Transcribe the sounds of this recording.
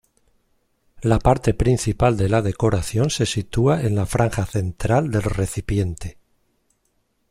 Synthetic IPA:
lapaɾt̪e̞pɾin̟θipald̪e̞lað̞e̞ko̞ɾaθjo̞nse̞sit̪uae̞nlafɾʔaŋxaθe̞nt̪ɾald̪e̞lre̞θipje̞nt̪e

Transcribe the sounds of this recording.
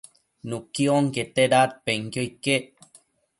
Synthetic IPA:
nukːioŋket̪eɾat̪̚peŋkjojkːe

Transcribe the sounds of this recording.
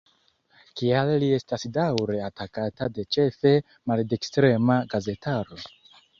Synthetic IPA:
kialːie̞stasdawɾe̞atakatade̞t͡ʃe̞fe̞ | maldekstɾe̞maɡaze̞taɾo̞

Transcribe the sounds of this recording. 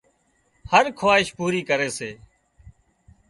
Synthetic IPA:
həɾkʰaːɦɪʃpuːɾiːkəɾeːseː

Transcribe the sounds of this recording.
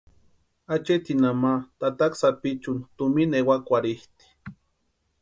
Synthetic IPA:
at͡ʃet̪inamat̪at̪aksapit͡ʃunt̪uminewakʷaɾiht̪i̥

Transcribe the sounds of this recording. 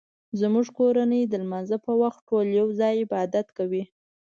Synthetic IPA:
zmuʐkoɾanəjd̪əlmanzəpəwaxt̪̚ʈoljawzɑjɪbɑd̪at̪kawi

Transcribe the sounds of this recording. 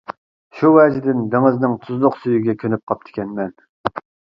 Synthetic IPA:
ʃuwɛd͡ʒɪd̪ɪnd̪eŋɪznɪŋt̪ʰuzlˠʊqsyjyɡʲɛkʲʰønyp̚qʰɑp̚t̪ʰɪ̥kʲɛnmɛn

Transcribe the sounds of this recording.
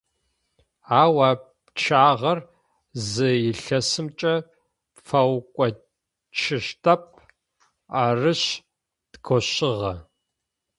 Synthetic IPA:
aːwaːp | t͡ʃʰaːʁɐr | zɨjɪɬɐsɨmt͡ʃʼɐ | fɐwkʷʼɔ | t͡ʃʰɪɕtʰɐp̚ʰʼ | aːrɨɕ | d̥ɡʰʷɔɕɪʁɐ

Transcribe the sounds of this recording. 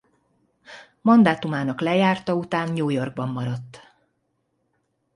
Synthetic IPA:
mɒnd̪aːt̪umaːnɒklɛjaːrt̪ɒut̪aːnɲuːjo̞rɡ̚bɒmːɒɾɒt̪ː

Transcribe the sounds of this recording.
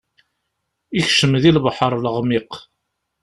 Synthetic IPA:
içʃəmðilbħəɾˤləʁmiq

